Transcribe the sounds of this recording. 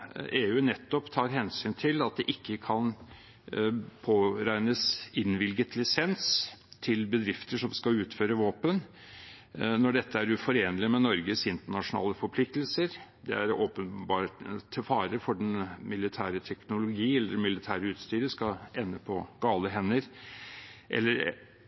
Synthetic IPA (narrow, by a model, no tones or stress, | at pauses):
eːʉːnɛt̪ːɔpt̪ʰɑːɾɦɛnsyːnt̪ʰɪlɑt̪̚d̪ɛʔɪkːəkʰɑn | pʰoːɾæɪnəsɪnʋɪlɡət̪lɪsɛnst̪ʰɪlbəd̪ɾɪft̪əʂɔmskɑʉːt̪føːɾəʋoːpən | nɔɖɛt̪ːəæɾʉfɔɾeːnlɪmɛnɔɾɡəsɪnt̪əɳɑʂʊnɑ̰ːləfɔɾpʰlɪk̚t̪l̩səɾd̪ɛ̰æɾoːpənbɑːʈʰəfɑːɾəfɔɖɛnmɪlɪt̪ʰæːɾət̪ʰɛknʊlʊɡiːɛlːəmɪlɪt̪ʰæːɾəʉːt̪st̪yːɾəskɑɛnːəpʰɔɡ̥ɑːləɦɛnːəɾ | ʔɛ̰lːəɾ